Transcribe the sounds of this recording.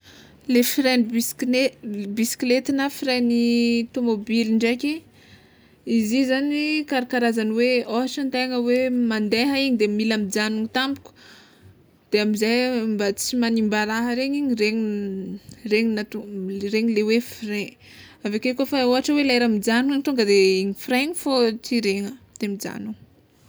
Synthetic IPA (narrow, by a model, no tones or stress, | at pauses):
lefɾenebisklet̪inəfiɾenit̪omobiliɳɖ͡ʐajkʲi | izizanikaɾakaɾazaniweoɦaʈ͡ʂant̪eŋəwemand̪eɦaiɲid̪emilamid͡ʒanuŋit̪ambu̥kʲu̥ | d̪̥eamizajmbat͡simanimbaɾaɦəɾeɲiɲiɾeɲi | reɲinat̪ureɲilewefre | avakekofaoɦaʈ͡ʂəwelaeɾamid͡ʒanuaŋit̪uŋɡəd̪eiɲifreɲifot͡siɾeŋəd̪̥eamid͡za̰nuŋ